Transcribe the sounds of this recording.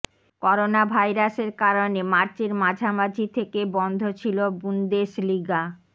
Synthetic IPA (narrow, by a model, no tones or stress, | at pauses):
kɔɾonabʱajɾaʃeɾkaɾonemaɾt͡ɕeɾmad͡ʑʱamad͡ʑʱit̪ʰekebɔnd̪ʱot͡ɕʰilobund̪eʃliɡa